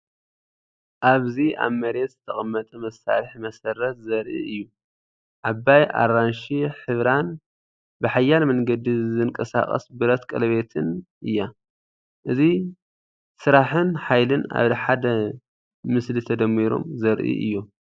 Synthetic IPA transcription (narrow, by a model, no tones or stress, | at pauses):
ʔaβzia̰βmɐɾet̪zɨt̪ʰɐχʼɐmːɐt̪ʼɐmɐsːa̰lɨħmɐsɐɾɐt̪zɐɾʔḭʔɨjːu | ʕabajʔa̰ranʃiħɨβɾan | bɨħajːalmɐŋɡɐd̪izɨnkʼɐsa̰χʼɐ̰sbɨɾɐt̪kʼɐ̰lɐβe̞t̪ʰɨnʔɨjːa | ʔɨzi | sɨɾaħɨnħajlɨna̰βħad̪ɐ | mɨslit̪ʰɐd̪ɐmːiɾo̞̰mzɐɾʔḭʔɨ̰jːu